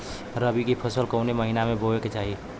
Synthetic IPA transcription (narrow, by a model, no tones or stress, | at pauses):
ɾəbikipʰəsəlkəʊneməɦinamẽbʱoeket͡ʃaːɦi